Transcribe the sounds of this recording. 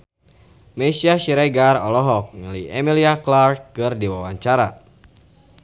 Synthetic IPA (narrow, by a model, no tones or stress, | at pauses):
mɛsiasiɾɛɡarɔlɔɦɔk̚ŋəlijɛmiliaklart̚kɨrdiwawaɲt͡ʃaɾa